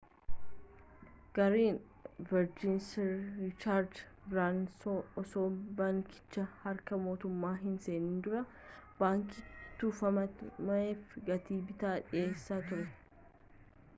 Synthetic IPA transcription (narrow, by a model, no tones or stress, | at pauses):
ɡ̥ɐɾiːn | vɛɾd͡ʒɪnsːɪt͡ʃaːɾd̪ | bɾaːnsoɔsoːbɐŋkɪ̥t͡ʃːɐhɐɾkɐmo̞ːt̪ʊmːaːɦɪnse̞ːniːnd̪ʊɾɐ | baːŋkit̪ːuːfɐmɐmɐeːfɡɐt̪iːbɪt̪aːᶑɪje̞ːsːaːt̪ʊɾɛ